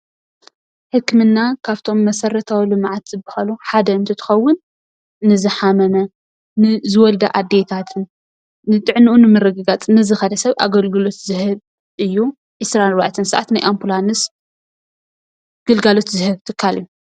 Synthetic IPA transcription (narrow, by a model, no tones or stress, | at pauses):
ħɨkːɨmɨnːakʰaβt̪ʰo̞mːɐsɐrɐt̪ʰawilɨmʕat̪z̥ɨbɨhaluħad̪ɐɨnt̪ʰɨt̪ʰɨ̥xɐwːʊnː | ɨzɨħamɐnɐ | nɨzɨwɔld̪ɐʔad̪ːet̪ʰat̪ʰɨnː | ɨt̪ʼɨʕnɨʔunɨmɨrɐɡɨɡat͡sʼnɨzɨxɐd̪ɐsɐβʔa̰ɡɐlɡɨlo̞t̪zɨhɨβ | ʔɨjːu | ʕisɾanɨɾβaʕt̪ʰɨnsɐʔa̰t̪najʔampʰulanɨs | ɡ̥ɨlɡalo̞t̪zɨhɨβt̪ʰɨkʰːalɨju